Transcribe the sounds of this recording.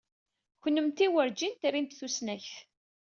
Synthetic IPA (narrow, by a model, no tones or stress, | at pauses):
çənːəmt̪iwəɾd͡ʒint̪rint̪θusnæçθ